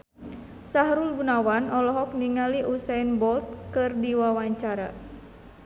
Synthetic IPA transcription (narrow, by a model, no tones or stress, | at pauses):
saɦɾulbunawanɔlɔɦɔk̚niŋaliʔusanbɔlt̪̚kɨrdiwawaɲt͡ʃaɾa̰